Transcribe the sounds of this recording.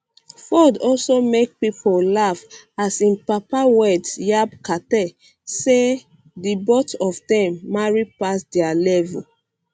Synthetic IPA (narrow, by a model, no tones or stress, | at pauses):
fɔdɔlsomek̚pipolafasĩnpapawɛdsjabkatɛ | se | dibɔtɔfdɛ̃mːaɹipasdɛalɛvṵ